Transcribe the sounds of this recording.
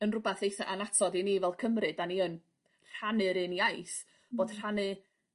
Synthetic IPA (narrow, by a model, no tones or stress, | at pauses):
ənrʊbaθejθaʔanatʰɔdiniːvɛlˠkʰəmrɨdaniən | r̥anɨɾɨniajs | b̥oːd̥r̥anɨ